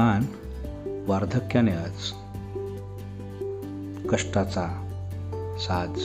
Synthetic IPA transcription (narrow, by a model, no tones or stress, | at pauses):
an | ʋaɾd̪ʱəkjanjat͡s | kəʂʈat͡sa | sad̪